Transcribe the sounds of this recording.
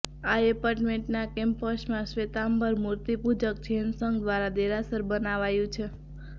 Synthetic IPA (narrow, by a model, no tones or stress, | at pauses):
aepaɾʈmeɳʈnakempəʃmãsʋet̪ambəɾmuɾt̪ipud͡ʒək̚t͡ʃʰeənsəŋɡd̪ʋaɾad̪eɾasəɾbənaʋajũt͡ʃʰe